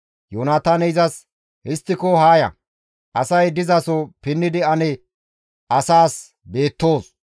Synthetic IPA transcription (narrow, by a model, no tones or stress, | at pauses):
joːnaːt̪aːnɛɪzɐs | hɪst̪ːɪkɔɦaːjɐ̰ | ʔɐsɐjd̪ɪzɐsɔpɪnːɪd̪ɪɐnɛ | ʔɐsaːs | be̞ːt̪ːo̞ːs